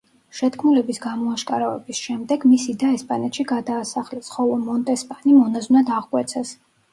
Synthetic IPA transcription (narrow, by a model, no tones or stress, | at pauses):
ʃɛt̪kʰmulɛbisɡamɔaʃkʼaɾavɛ̰bisʃɛmd̪ɛɡmisid̪aɛspʼanɛt̪ʃiɡad̪aːsaχlɛsχɔlˠɔmɔnt̪ʼɛspʼanimɔnaznad̪aʁkʼwɛt̪sʰɛs